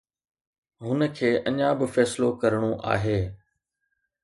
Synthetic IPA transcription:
ɦʊnəkʰeːʔɐɲabɪfɛːsɪlokɐɾɽ̃oʔa̰ːɦeː

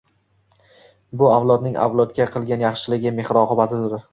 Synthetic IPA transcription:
bʊavlˠɒd̪̚nɪŋʔa̰vlˠɒt̪ɡʲaqʰɨlˠɡʲanjɑχʃɪlɪɡʲɪme̞hɾɒqʰɨbat̪ʰɪd̪ʊɾ

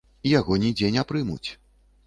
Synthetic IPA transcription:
ijaɣɔnʲid͡zʲenʲapɾɨmṵt͡sʲ

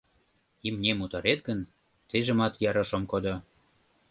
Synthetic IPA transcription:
imnʲemut̪ɑɾet̪̚ɡə̆n | t̪eʒə̆mɑt̪jɑɾɑ̆ʃomkod̪o

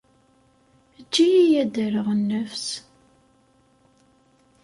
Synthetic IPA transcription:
d͡ʒːijijæd̪əɾəʁənːəfs

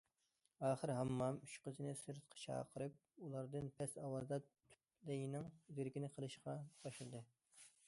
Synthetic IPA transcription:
ɑːχəɾɦɑmːɑmyt͡ʃqəzɨnɪsɨɾt̪̚qʰə̥t͡ʃʰɑ̰ːqʰəɾɨp̚ulˠɑɾd̪ɨnpʰɛsɑwɑzɨd̪ɑtt̪ʰy̥p | lɪjnɪŋzyɾkʲinɪqʰəlˠɨʃqɑb̥ɑʃlˠɨd̪ɨ

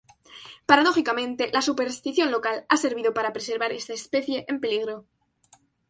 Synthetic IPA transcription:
paɾað̞o̞xikamẽ̞nt̪e̞lasupe̞ɾst̪iθjo̞nlo̞kalase̞ɾβiðopaɾapɾese̞ɾβ̞aɾe̞st̪aespe̞θje̞ʔempe̞liɣ̞ɾo̞

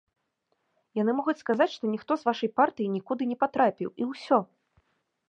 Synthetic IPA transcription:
janɨmɔɣut͡sʲskazat͡sʲʂt̪ɔnʲixt̪ɔzvaʂɐjpart̪ɨjinʲikud̪ɨnʲɛpat̪ɾapʲḭwiwsʲɔ

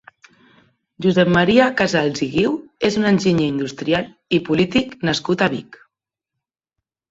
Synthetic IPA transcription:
ʒuzɛpmaɾiakazalziɣiwezunənʲʒiɲəind̪ust̪ɾial | ipulit̪iknaskut̪aβik

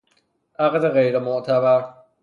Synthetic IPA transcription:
ʔaɣd̪eɣejɾemoʔt̪ʰæbæɾ

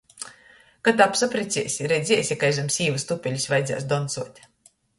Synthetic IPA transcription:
kat̪apsapɾit̪sʲiɛsʲiɾɛd̪zʲiɛsʲakajzamsiːvɨst̪upʲɛlʲisvajd̪za̰ːsd̪ɔnt̪suɔt̪ʲ

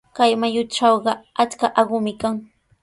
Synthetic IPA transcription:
kajmajʊʈ͡ʂɑwɢɑat͡skaʔɑɢʊmɪkaŋ

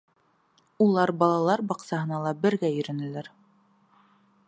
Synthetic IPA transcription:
ulˠɑɾbɑlˠɑlˠɑɾbɑqsɑɦɤ̆nɑlˠɑbɘ̆ɾɡæɵ̆ɾɵ̆nɘ̆læɾ

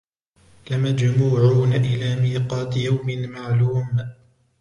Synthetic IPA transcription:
lɪmad͡ʒmuːʕuːnaʔɪlaːmiːqɑːt̪ɪjawmɪnmaʕluːm

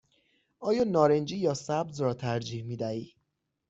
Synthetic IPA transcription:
ʔɒːjɒːnɒːɾend͡ʒiːjɒːsæbzrɒːt̪ʰæɾd͡ʒiːhmiːd̪æiː

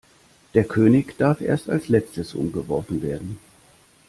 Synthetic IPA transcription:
d̥eːɐkʰøːnɪçd̥aɐfʔḛːɐsta̰lslɛt͡stəsʔʊ̰mɡəvɔɐfn̩veːɐdn̩

